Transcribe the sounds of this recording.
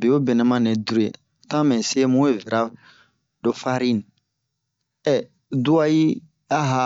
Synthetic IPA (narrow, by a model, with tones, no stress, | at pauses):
bi˨o˦bɛ˨nɛ̃˨mã˦ne˨du˦ɾḛ˨ | tã˦mɛ̃˨se˦mũ˦e˦˨vi˨ɾa˦ | do˨fa˦ɾi˦ni˨ | ɛ˨ | du˦a˦ji˦ | a˦ɦa˨˦